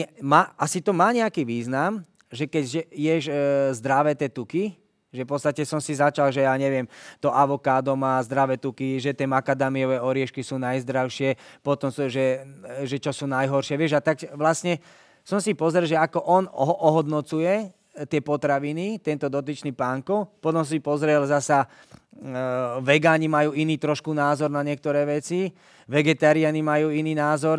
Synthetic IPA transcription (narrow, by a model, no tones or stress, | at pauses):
ɛmaːʔasit̪ɔmaːɲɛakiːʋiːznam | ʒɛkɛɟʒɛjɛʒzd̪ɾaʋɛːt̪jɛːt̪uki | ʒɛfpɔtt͡sst̪acɛsɔmsizat͡ʃalʒɛjaːɲɛʋɪɛmt̪ɔʔaʋɔkaːd̪ɔmaːzd̪ɾaʋɛːt̪ukiʒɛt̪ɪɛmakad̪amiɔʋɛɔɾɪɛʃkisuːnajzd̪ɾaʊʃɪɛpɔt̪ɔmsʒɛʒɛt͡ʃɔsuːnajɦɔɾʃɪɛʋɪɛʒat̪akʋlasɲɛ | sɔmsipɔzɾɛlʒɛakɔʔɔnɦʔɔɦɔd̪nɔt͡sujɛ | t̪ɪɛpɔt̪ɾaʋinit̪ɛnt̪ɔd̪ɔt̪̬it͡ʃnipaːŋkɔpɔt̪ɔms̬ipɔzɾɛlzasa | ʋɛɡaːɲimajuːiniːt̪ɾɔʃkunaːzɔɾnaɲɪɛk̚t̪ɔɾɛːʋɛt͡si | ʋɛɡɛt̪aɾianimajuːiniːnaːzɔɾ